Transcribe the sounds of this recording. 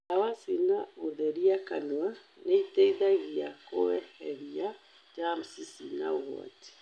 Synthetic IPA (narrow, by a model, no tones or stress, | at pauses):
awasinaoðɛɾiakanwa | neitɛiðaɣiako̰wɛhɛβia | d͡ʒam̩sisina̰oɣwa̰ti̥